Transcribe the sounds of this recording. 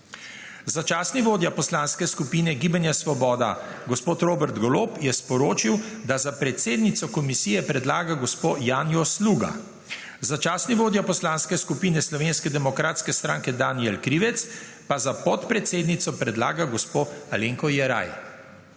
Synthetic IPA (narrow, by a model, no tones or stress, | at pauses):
zat͡ʃaːsniʋoːd̪japɔslanskɛskupinɛɡiːbanjasʋɔbɔːd̪aɡɔspoːt̪ɾoːbɛɾt̪ɡɔloːpjɛspɔɾoːt͡ʃiw | d̪azapɾɛt̪seːd̪nit̪sɔkɔmisiːjɛpɾɛd̪laːɡaɡɔspoːjaːnjɔsluːɡa̰ | zat͡ʃaːsniʋoːd̪japɔslaːnskɛskupiːnɛslɔʋenskɛd̪ɛmɔkɾaːt̪skɛst̪ɾãːŋkɛd̪aːniɛlkɾiːʋɛt̪s | pazapɔt̪pɾɛt̪seːd̪nit̪sɔpɾɛd̪laːɡaɡɔspoaleŋkɔjɛɾa̰j